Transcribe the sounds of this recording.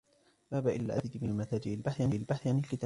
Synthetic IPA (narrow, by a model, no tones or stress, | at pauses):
baːbaʔɪlːa̰ʔad̪ɪd̪mɪnlmat̪aːd͡ʒɪʔɪlbaħʕanɪʔɪlbaħθʕanɪlkɪt̪aː